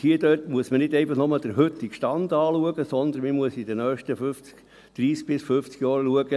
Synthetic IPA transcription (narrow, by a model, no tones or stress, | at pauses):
hiədøtmuəsmənɪdɛɪfɑχnoməld̪̥əɾɦʏt̪ːɪkʃtɑnd̥̪ɑːluəɡəsɔnd̪ənmimuəsid̥̪ənœːχʃtəføft͡sk | d̥ɾiːsk̚b̥ɪsfʏft͡sɡ̥jɑːɾluəɡə